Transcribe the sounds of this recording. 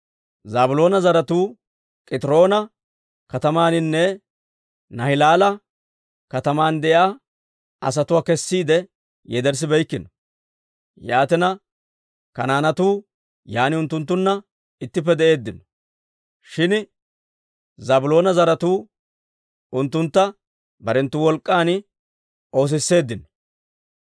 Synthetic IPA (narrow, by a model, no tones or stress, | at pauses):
zabʊlo̞ːnɐzɐɾɐt̪uː | kʼɪt̪ɪɾo̞ːnɐ | kɐt̪ɐmaːnɪnːɛ | nɐhɪlaːlɐ | kɐt̪ɐmaːnd̪ɛʔɪaː | ɐ̰s̬ɐt̪ʊwaːkɛsːiːd̪ɛ | jɛd̪ɛɾs̬ɪbɛjkːɪnɔ | jaːt̪ɪnɐ | kɐnaːnɐt̪uː | jaːnɪʊnt̪ːʊnt̪̬ːʊnːɐ | ɪt̪ːɪp̬ːɛd̪ɛʔe̞ːd̪ːɪnɔ̥ | ʃɪn | zɐbʊlo̞ːnɐzɐɾɐt̪uː | ʊnt̪ːʊnt̪ːɐ | bɐɾɛnt̪ːʊwɔlkʼːaːn | o̞ːs̬ɪsːe̞ːd̪ːɪnɔ̥